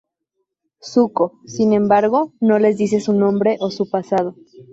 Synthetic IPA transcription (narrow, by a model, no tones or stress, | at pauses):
suko̞sinẽ̞mbaɾɣo̞no̞le̞zðis̬e̞sunõ̞mbɾe̞ʔo̞supasað̞o